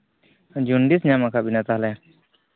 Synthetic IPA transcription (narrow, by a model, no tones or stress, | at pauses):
d͡ʒunɖisɲamakʰaʔbinat̪aɦlaja